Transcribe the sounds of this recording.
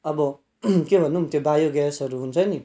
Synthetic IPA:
ʌbʌ | kebʱʌnːumt̪jobajoɡasʌɾuɦunt͡sʰʌni

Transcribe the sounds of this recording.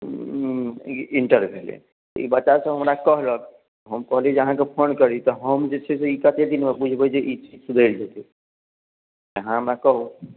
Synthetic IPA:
iɳʈəɾbʱelḛ | t̪ɔ̰ḭbəːt͡ʃasə̃ɦəmɾakəɦlək | ɦəmkəɦld͡ʒeəɦãkepʰonkəɾit̪ɔɦəmd͡ʒet͡ʃʰɛseikət̪ed̪inmebud͡ʒʱbəd͡ʒeʔit͡ʃid͡ʒsud̪ʱəjɾd͡ʒet̪i | əɦãɦəmɾakəɦu

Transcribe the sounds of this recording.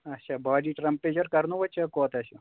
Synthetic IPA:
ɐtːʃʰaːbaːɖiːʈɾɐmpːeːd͡ʒɐɾkɐɾnuʋɐt͡ʃʰɐkoːt̪ɐsu

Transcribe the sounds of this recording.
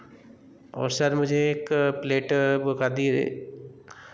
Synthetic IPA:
ɔ̰ːɾsəɾmʊd͡ʒʱeːkpleːʈbəkad̪ḭ

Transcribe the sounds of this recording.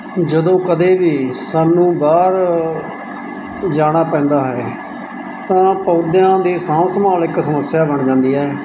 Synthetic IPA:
d͡ʒəd̪õːkəd̪eːʋiːsaːnːũːbaːɾ | d͡ʒaːɽ̃aːpɛ̃ːnd̪aːɦɛː | t̪ãːpəːʊd̪jãːd̪iːsãːsəmaːlɪksəməsːjaːbəɳd͡ʒãːnd̪iːɦɛː

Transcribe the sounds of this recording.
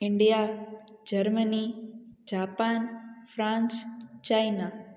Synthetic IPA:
ɪɳɖijad͡ʒəɾmənid͡ʒapanfʰɾãnst͡ʃajna

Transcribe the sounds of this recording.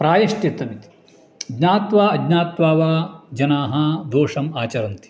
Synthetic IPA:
pɾaːjɐʃʈ̪it̪ːɐmit̪i̥ | ɐɡnaːt̪ʋaːɐdnaːt̪ʋaːʋaːd͡ʒɐnaːɦɐd̪oːʂɐmaːt͡ʃɐɾɐnt̪i̥

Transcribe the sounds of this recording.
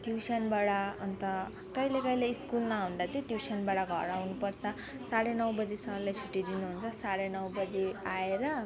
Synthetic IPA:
ʈjusʌnbaɽaʌnt̪ʌ | kʌjlekʌjleːskulnaɦũnd̪at͡sʌĩʈjusʌnbaɽʌɡʱʌ̰ɾawnupʌrt͡sʰʌ | saɽenʌwbʌd͡zesʌlajt͡sʰuʈːid̪inuɦunt͡sʰʌsaɽenʌwbʌd͡zeaeɾʌ

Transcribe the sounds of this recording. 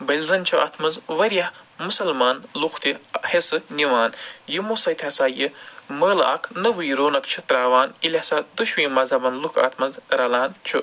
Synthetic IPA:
bɐlʲzɐnt͡ʃʰuʔɐ̰t̪ʰmɐzʋɐɾjɐhmusɐlmaːnluxʰt̪ihesɨniʋaːnjimosɐjt̪ʰʲɐsaːjɨmɐːlɐ̰kʰnɐʋujɾoːnɐkt͡ʃʰut̪ɾaːʋaːnilʲɐsaːd̪uʃʋĩːmɐzɐbɐnlukʰɐ̰t̪ʰmɐzɾɐlaːnt͡ʃʰu

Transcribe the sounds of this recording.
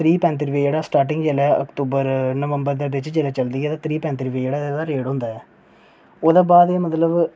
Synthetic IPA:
t̪ɾiːpɛ̃ːnt̪ɾiʋeːeːɽaːsʈaːɾʈ̬ɪ̃ŋɡd͡ʒeːlɛːə̰kt̪uːbəɾnəʋə̃mbəɾd̪eːʋɪt͡ʃd͡ʒeːlɛːt͡ʃəld̪iːɛːt̪ãːt̪ʰɾiːpɛ̃ːnt̪ɾiʋeːeːɽaːed̪aːɾeːɽɦʊ̃nd̪aːɛː | oːd̪aːbaːd̪eːmət̪ləb

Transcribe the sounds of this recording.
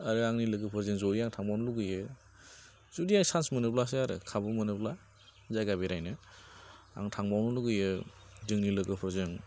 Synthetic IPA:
aɾɯaŋnilɯɡɯpʰɯɾzɯŋzɔɾiaŋtʰaŋbawnluɡɯjɯ | zudiajsansmɯnɯplasɯaɾɯ̰kʰabɯmɯnɯpla | zajɡabiɾajnɯ | a̰ŋtʰaŋmawnuluɡɯjɯdɯŋnilɯɡɯpʰɯɾzɯŋ

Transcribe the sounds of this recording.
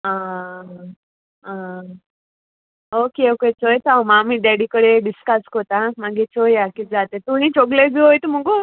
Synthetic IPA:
a | ã | okeoket͡sojt̪amamiɖaɽikəɽeɖiskaskot̪ãmaɡet͡sojakid͡zat̪et̪uñĩt͡ɕoɡled͡ziɦojt̪um̤əɡu

